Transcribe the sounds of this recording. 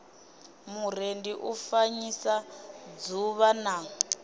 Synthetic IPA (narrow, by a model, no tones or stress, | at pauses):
mur̤endiʔufaɲisad͡zuβana